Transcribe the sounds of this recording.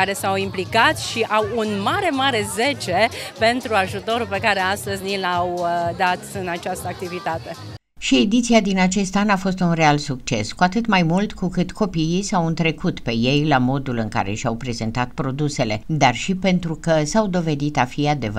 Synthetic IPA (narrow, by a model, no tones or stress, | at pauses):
aɾe̞sawimplikat̪ʃiʔawunmaɾe̞maɾe̞ze̞t͡ʃe̞pe̞nt̪ɾuaʒut̪o̞ɾupe̞kaɾe̞ast̪əzʲnilawd̪at̪ɨnat͡ʃast̪əak̚t̪ivit̪at̪e̞ | ʃie̞d̪it̪siad̪inat͡ʃe̞st̪anafo̞s̬t̪unre̞alsuk̚t͡ʃe̞skuat̪ɨt̪majmult̪kukɨt̪ko̞piisawɨnt̪ɾe̞kut̪pe̞je̞jlamo̞d̪ulɨŋka̰ɾe̞̰ʃawpɾe̞zent̪at̪pɾo̞d̪use̞le̞d̪arʃipe̞nt̪ɾukəsawd̪o̞ve̞d̪it̪afiad̪e̞və